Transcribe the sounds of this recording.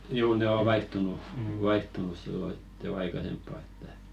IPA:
juː ne o ʋɑihtunu ʋɑihtunus silːo hit jo ɑikɑsempːɑ etːæ

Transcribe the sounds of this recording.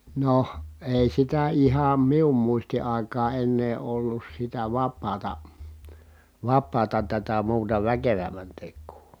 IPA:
noh eˑi sitæ ihɑm mium muisti ɑˑikɑː enːeː olːus sitæ ʋɑpˑɑːtɑ ʋɑpˑɑːtɑ tætæ muːtɑ ʋækeʋæmːæn tekˑuː

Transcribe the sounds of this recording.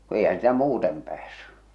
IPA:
ku eihæn sĭtæ muːtem pæːsːy

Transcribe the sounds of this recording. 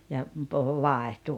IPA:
jɑ puhu ʋɑˑehtu

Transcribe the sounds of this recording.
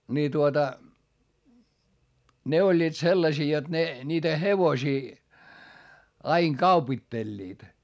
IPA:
ni tuotɑ ne olʲːiːt selːɑsiː jot ne nʲiːtæ heʋosiː ɑiŋ kɑupitːelʲːiːt

